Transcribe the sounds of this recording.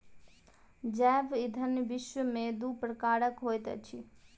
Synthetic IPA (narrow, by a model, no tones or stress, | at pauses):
d͡ʒɛʋid̪ʱənjbɪʃʋəmẽd̪upɾəkaːɾəkɦojt̪ət͡ʃʰi